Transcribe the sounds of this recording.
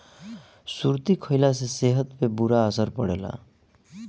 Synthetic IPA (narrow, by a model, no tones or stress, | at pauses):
suɾt̪ikʰʌjlas̬eseɦʌt̪pebuɾaʌsʌɾpʌɽela̰